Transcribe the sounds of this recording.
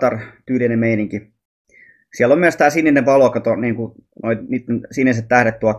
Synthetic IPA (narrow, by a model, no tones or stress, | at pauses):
t̪ɑrt̪yːlinemmeiniŋki | siælːomyæst̪æːsinːenːeʋɑlokɑt̪oniːŋkunoiniːt̪ːensinːiset̪t̪æhɾet̪t̪uɑt̪